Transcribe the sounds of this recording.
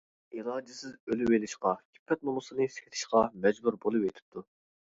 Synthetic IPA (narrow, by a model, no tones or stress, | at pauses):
ilˠɑːd͡ʒɪsɪzølɪwelɪʃqɑkʲʰi̥pʰːɛt̪̚nomusɨnɨsʰʲɪ̥t̪ʰɪ̥ʃqɑmɛd͡ʒbuɾbolˠɨpet̪ʰɪ̥p̚t̪ʰu